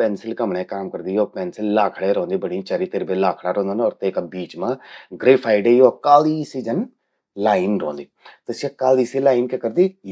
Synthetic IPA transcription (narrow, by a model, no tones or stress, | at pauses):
pɛːnsɪlkəmɳẽːkaːmkəɾd̪iːoːpɛːnsɪlːaːkʰɽeːɾɔ̃ːnd̪iːbəɽ̃iːt͡ʃaːɾiːt̪ɪɾbeːlaːkʰɽaːɾõːnd̪aːnɔːɾt̪eːkabiːt͡ʃmãːɡɾeːpʰaːɪɖeːoːkaːliːsiːd͡ʒən | laːiɪnɾõ̰ːnd̪iːt̪esiəkaːliːsilaːɪnkekəɾd̪iː